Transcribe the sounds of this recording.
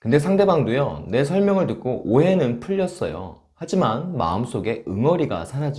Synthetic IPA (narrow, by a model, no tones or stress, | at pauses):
kɯnde̞sʰaŋde̞baŋdojʌne̞s̬ʰʌɭmjʌŋɯɭdɯk̚k͈oʔoɦe̞nɯnpʰɯʎːʌs͈ʌjo̰ | had͡ʑimanma̰ɯms͈oɡe̞ɯŋʌɾiɡa̰sʰanad͡ʑi